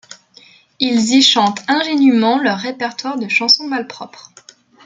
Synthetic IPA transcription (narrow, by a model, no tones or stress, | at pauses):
ilziʃɑ̃t̪ɛ̃ʒenymɑ̃lœʁːepɛʁt̪waʁd̪əʃɑ̃sɔ̃malpχɔpχ